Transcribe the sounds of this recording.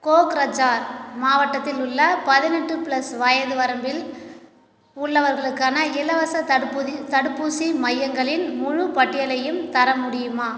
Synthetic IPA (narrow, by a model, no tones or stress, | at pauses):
koːkɾɐd͡ʒaːɾmaːʋɐʈːɐt̪ːɪlʊɭːɐpɐðɪnɛʈːɯpɭlɐsʋaːjɐðɯʋɐɾɐmbɪl | ʊɭːɐʋɐɾɣɐɭɯkːaːnɐɪlɐʋɐsɐpːt̪ɐɽɯpːusimɐjːɐŋɡɐɭɪnmʊɻʊpɐʈːɪjɐlɐjɯmt̪ɐɾɐmʊɽɪjɯmaː